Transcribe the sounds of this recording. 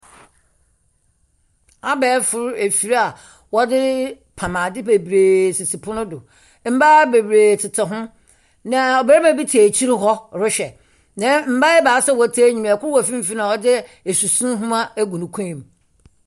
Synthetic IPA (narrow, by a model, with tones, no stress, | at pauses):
a˦bɛː˨˦fʊ˨ɾe˨fi˨ɾa˨ | wɔ˦dɪ˦ | pʰa˨mã˨dɪ˦be˨bɾeː˨si˨si˨pʰʊ̃˦nʊ̃˦dʊ˨ | m̩˦ba˦be˨bɾe˨tʰɪ˨tʰa˨ɦʊ̃˦ | nã˨ɔ˨be˨˦ɾmã˨bi˦tʰaː˨t͡ɕʰi˦ɾɪ˦ɦɔ˦ɾʊ˦ɕɛ˨ | nã˨˦m̩˨˦ba˦jɛ˦baː˨˦sɛ˦˨wɔ˨tʰa˦ɲĩ˨m˨ɛ˨kʰʷʊ˦ɾwɔ˨fĩ˦m̩˦fi˦nã˨ɔ˦dɪ˦e˨su˨sũ˦n˦ɦʊ̃˦ma˦æ˦ɡʷũ˨nʊ̃˨kʷʰã˦˨m